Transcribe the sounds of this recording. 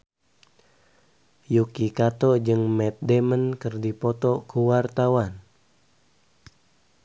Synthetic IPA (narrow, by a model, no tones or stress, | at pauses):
jukikat̪ɔd͡ʒɨŋmɛt̪̚dɛmənkɨrdipɔt̪ɔkuwart̪awan